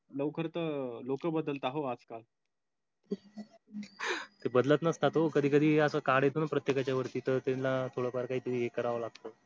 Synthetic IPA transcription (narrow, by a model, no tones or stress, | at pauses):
ləʋkʰəɾt̪əlokəbəd̪əlt̪aɦoad͡zkal | t̪ebəd̪lət̪nəst̪at̪okəd̪ʱiːk̬əd̪ʱiːəsəːkaɽjet̪onapɾət̪jekat͡ɕjaʋəɾt̪iːt̪əɾt̪elat̪ʰoɽəpaɾkaɦiːt̪umiːekəɾaʋəlaɡ̚t̪ə